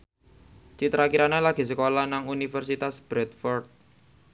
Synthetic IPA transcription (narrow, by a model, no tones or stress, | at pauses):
t͡ʃit̪ɾakiɾanelaɡ̥i̤səkolanaŋunifərsit̪asb̥ɾɛt̪̚fɔrt̪̚